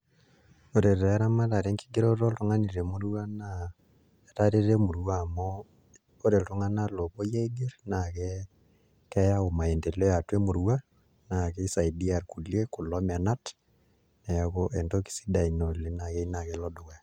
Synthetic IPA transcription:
o˨ɾe˨ɾɛ˦ɾa˦ma˦ta˨ɾe˦ŋki̥˦ɡe˦ɾo˦ɾo˦lto˦ŋa˦ni˨ɾe˨mu˦ɾuwa˦na | eta˦ɾe˦ɾe˦mu˨ɾuwamo | o˦ɾe˨ltu˦ŋa˦na˦lo˨po˦je˦iɡe˦ɾna˨kɛ | kɛ˦ja˦o˨ma˨e˨nde˨le˦ja˨twe˦mu˨ɾwa˦ | na˨kɛ˦isa˨idi˦a˨rku˨lje˦ku˨lɔ˦ma˨na˦t | ne˨jakoʔe˨ndo˦ki̥˦si̥˦da˨i˨no˨le˦na˨ke˦i˦na˨kelɔ˦do˨ka˦

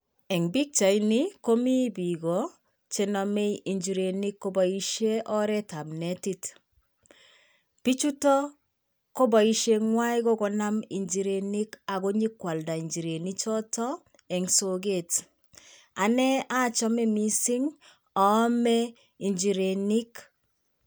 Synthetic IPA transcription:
ɛ˨ŋbi˦k̚t͡ʃa˨i˦ni˦ko˦mi˦bi˨ɡɔ˨ | t͡ʃe˦nɔ˨me˦ʔi˨ɲd͡ʒi˨ɾe˨ni˦kːo˦ba˨i˦ʃe˦ʔɔ˦ɾɛ˦ta˨mnɛ˨˦ti˦t | pi˦t͡ʃu˦tɔ˦ | ko˦ba˨i˦ʃe˦ŋwa˦i˦ɡɔ˦kɔ˨na˦mi˨ɲd͡ʒi˨ɾe˨ni˦ka˨ɡo˦ɲi˦kwa˨lda˨i˨ɲd͡ʒi˨ɾe˨ni˦t͡ʃɔ˦tɔ˦ | ɛ˨ŋso˨ɡe˨t | a˨nɛ˦a˦t͡ʃɔ˦mɛ˦mi˦si˦ŋ | ɔː˨˦mɛ˦ | i˨ɲd͡ʒi˨ɾe˨ni˦k

